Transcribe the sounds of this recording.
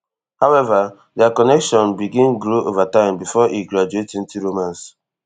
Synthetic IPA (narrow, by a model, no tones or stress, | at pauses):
hawɛva | dɛakɔnɛkʃɔ̃nbiɡĩnɡɾoʔovatãɪ̃mbifɔʔiɡlɔd͡ʒuetĩn̩tiɹomãns